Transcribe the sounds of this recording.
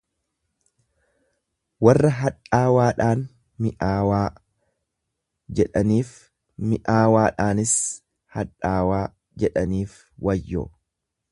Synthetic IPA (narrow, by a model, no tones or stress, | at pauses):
wɐrːɐɦɐᶑaːwaːᶑaːn | mɪʔaːwaː | d͡ʒɛᶑɐniːf | mɪʔaːwaːᶑaːnɪs | hɐᶑaːwaː | d͡ʒɛᶑɐniːf | wɐjːo̰ː